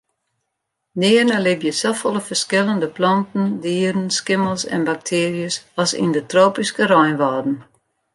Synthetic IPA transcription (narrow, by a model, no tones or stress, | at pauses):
nɪərnəlɪvjəsɔfolˠəfərskɪlˠəndəplɔntn̩diədən̩skɪməlˠsɛ̰nbak̚tʰɪːrjəsɔsḭndətroːpiskəɾɔjnʋɔːdn̩